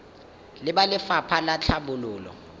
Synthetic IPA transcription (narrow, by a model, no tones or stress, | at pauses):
lɪɓalɪfapʰalat͡ɬʰaɓʊlʊːlɔ̰